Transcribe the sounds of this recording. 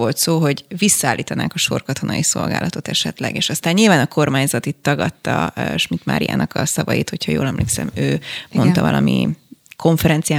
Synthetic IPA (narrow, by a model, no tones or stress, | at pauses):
o̞lt̪soːɦo̞ɟvisːɒaːlːʔiːt̪ɒnaːŋkɒʃo̞rkɒt̪o̞nɒjiso̞lɡa̰ːlʔɒt̪o̞t̪ɛʃɛt̪lɛ̰ɡeːʃɒst̪aːɲːilvaːnɒko̞rmaːɲzɒt̪it̪ːɒɡɒt̪ːɒʃmit̪ma̰ːɾija̰ːnɒkɒsɒvɒjit̪ho̞chɒjoːlɛmleːksɛ̰møːmo̞nt̪ɒvɒlʔɒmikʰo̞ɱfɛɾɛnt̪sijaː